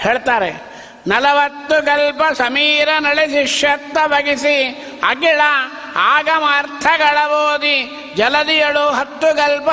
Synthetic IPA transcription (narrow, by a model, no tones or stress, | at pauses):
heːɭt̪aːɾe | nɐlɐʋɐt̪ːuɡɐlpɐsɐmiːɾɐnɐɭiʃiʂjɐt̪ːɐbʱɐɡisi | ɐ̰ɡiɭɐ | aːɡɐmɐːɾt̪ʰɐɡɐɭɐboːd̪i | d͡ʒɐlɐd̪ijɐɭuɦɐt̪ːuɡɐlpɐ